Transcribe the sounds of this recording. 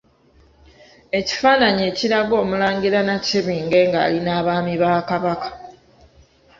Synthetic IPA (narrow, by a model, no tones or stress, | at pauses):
e̞ci̥faːnaɲe̞ːciɾaɡo̞ːmulaːɲɡiɾanaciβiːŋɡe̞ːŋɡa̰ːlinaːβaːmiβaːkaβakḁ